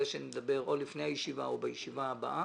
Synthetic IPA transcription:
eʃened̪abe̞ʁolifnejhajeʃivaobajeʃivaaba̰ʔa

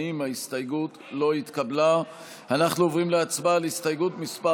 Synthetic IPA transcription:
imaist̪ajɡut | lo̞it̪kabla | anaχnuovʁimleat͡sbalist̪ajɡutmispa

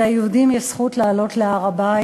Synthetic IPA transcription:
ajeudimjesχutlaːlo̞tleaʁaba

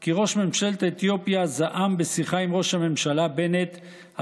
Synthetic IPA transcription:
kiʁo̞ʃme̞mʃalt̪et̪jo̞pjazaʔambesiχaimʁo̞ʃhame̞mʃalabe̞net̪ | ha

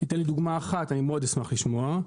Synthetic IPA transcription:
it̪enlid̪uɡmaːχatanimeo̞d̪esmaχliʃmoa

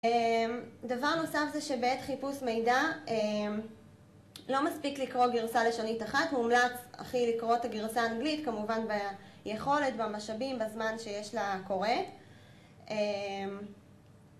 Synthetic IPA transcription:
emdavaʁno̞safzeʃebeetχipusmejdaem | lo̞maspiklikʁo̞ɡiʁsaleʃonitaχatmumlat͡sa̰χilikʁo̞taɡiʁsaːnɡlitkamuvanba | jeχo̞letbamaʃabimbazmanʃejeʃlako̞ʁe | em

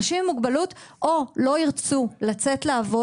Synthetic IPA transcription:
ʃimmuɡbalutʔolo̞iʁt͡sulat͡se̞tleavo

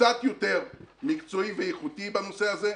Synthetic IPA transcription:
at̪jo̞t̪e̞ʁmikt͡so̞ivejeχutibano̞se̞aze

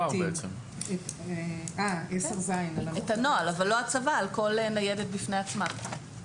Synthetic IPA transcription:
abeet͡sem | eeaeseʁzajnalaet̪anoalavalːoat͡savaːlko̞lenajedet̚bifneat͡smam

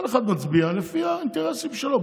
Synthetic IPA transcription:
lexad̪mat͡sbialefiaint̪eʁesimʃelo

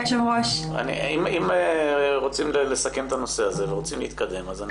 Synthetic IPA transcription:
ʃemʁoʃa̰nḭimimeʁot͡simlele̞sake̞mt̪ano̞se̞aze̞veʁo̞t͡simleit̪kad̪e̞mazan

